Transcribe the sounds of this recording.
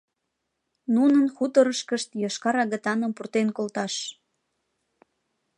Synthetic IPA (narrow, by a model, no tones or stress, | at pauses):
nunənxut̪əɾəʃkəʃt̪jɑʃkɑɾɑɣət̪ɑnəmpurt̪enkolt̪ɑʃ